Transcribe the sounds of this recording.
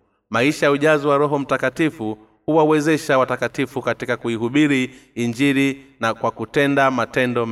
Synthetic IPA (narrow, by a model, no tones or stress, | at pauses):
maiʃajauʄazɔwaɾɔɦɔm̩takatifu | huwawɛzɛʃawatakatifukatikakuiɦuɓiɾiiɲd͡ʒiɾinakwakutɛndamatɛndɔm